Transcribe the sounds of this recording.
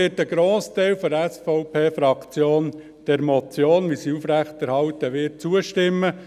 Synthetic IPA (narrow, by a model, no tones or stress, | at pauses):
ɪːtəɡ̥ɾoːsteɪlfɔdɛsfɔʊpʰeːfɾɑkt͡sjoːn | d̥ɛɾmɔt͡sjoːnʋisiufɾæχtɛɾhɑltəʋɪːt̚t͡suəʃtɪmːə